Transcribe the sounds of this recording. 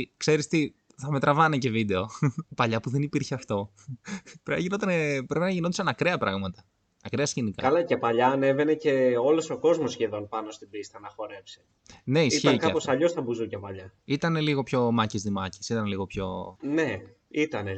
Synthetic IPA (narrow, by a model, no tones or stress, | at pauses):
kse̞ɾist̪i | θɐme̞t̪ɾɐvɐnece̞vid̪e̞o̞pɐʎɐpuðe̞nipiɾçeɐft̪o̞ | pɾeɐʝinot̪ɐnepɾe̞pinɐʝino̥sɐnɐkɾeɐpɾɐɣmɐt̪ɐ̥ | ɐkɾeɐsçenikɐkɐlɐce̞pɐʎɐːne̞ve̞nece̞o̞lo̞so̞ko̞zmosçeðo̞npɐno̞st̪ibist̪ɐnɐxo̞ɾe̞psi̥ | ne̞isiçiɐkɐɐposɐʎo̞st̪ɐbuzucɐpɐʎɐit̪ɐne̞liɣo̞pço̞mɐcizðimɐci̥sit̪ɐnliɣo̞pço̞̰ne | it̪ɐne